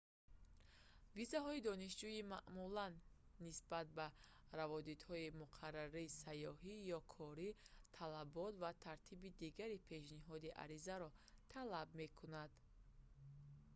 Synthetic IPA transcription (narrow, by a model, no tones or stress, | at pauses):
vizaɦɔid̪ɔniʃd͡ʒuimaʔmulanːisbat̪̚ba | ɾavɔd̪it̪hɔimuqʰarːaɾiːsajɔɦijɔkʰɔɾit̪ʰalabɔt̪vat̪ʰaɾt̪ʰibid̪iɡaɾipʰe̞ʃniɦɔd̪iʔa̰ɾizaɾɔt̪ʰalabme̞kʰunad̪